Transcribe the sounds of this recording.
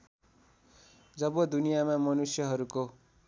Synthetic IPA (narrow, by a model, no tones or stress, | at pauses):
d͡zʌbʌd̪unijamamʌnusjʌɦʌɾuko